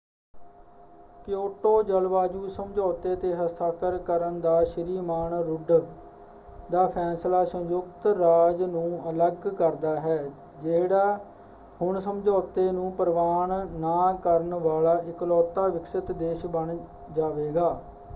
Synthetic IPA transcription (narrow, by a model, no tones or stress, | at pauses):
kjoːʈoːd͡ʒəlʋaːd͡ʒuːsəmd͡ʒɔːt̪eːt̪eːɦəst̪ʰaːkəɾkəɾənd̪aːʃəɾiːmaːɳɾʊɖ | d̪aːpʰɛːslaːsə̃jʊkt̪ɾaːd͡ʒnũːələɡkəɾd̪aːɦɛː | d͡ʒeːɽaː | hʊɳsəmd͡ʒɔːt̪eːnũːpəɾʋaːɳnaːkəɾəɳʋaːlaːʔɪklɔːt̪ːaːʋɪksɪt̪d̪eːʃbəɳ | d͡ʒaːʋeːɡaː